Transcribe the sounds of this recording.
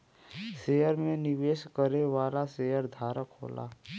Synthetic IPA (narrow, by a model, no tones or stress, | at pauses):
seːjəɾmẽnɪʋeːʃkəɾeʋaːlasejəɾd̪ʱaːɾəkɦo̰ːla̰ː